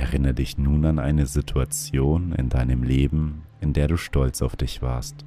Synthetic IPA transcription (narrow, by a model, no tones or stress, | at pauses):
ʔɛʁɪnɐdɪçnuːnanʔa̰ɪnəzitʰuat͡sjoːnɪ̰ndaɪnəmleːbm̩ | ɪndeːɐɾuːʃtɔlt͡saʊfd̥ɪçv̥a̰ːɐst